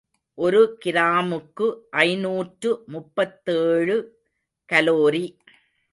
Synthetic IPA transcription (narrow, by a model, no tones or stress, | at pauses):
ʔɔɾɯkɪɾaːmɯkːɯʔɐɪnuːʈrɯmʊpːɐt̪ːeːɻɯ | kɐloːɾi